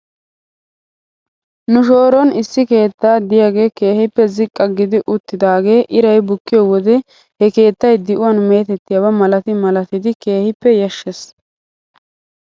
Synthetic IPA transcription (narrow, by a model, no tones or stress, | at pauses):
nʊʃo̞ːɾɔnɪsːɪke̞ːt̪ːaːd̪ɪjaɡe̞ːke̞ːhɪpːɛzɪkʼːɐɡɪd̪ɪʔʊt̪ːɪd̪aːɡe̞ːʔɪɾɐjbʊkːɪjɔwɔd̪ɛ | hɛke̞ːt̪ːɐjd̪ɪʔʊwɐnme̞ːt̪ɛt̪ːɪjɐwɐmɐlɐt̪ɪmɐlɐt̪ɪd̪ɪke̞ːhɪpːɛjɐʃːes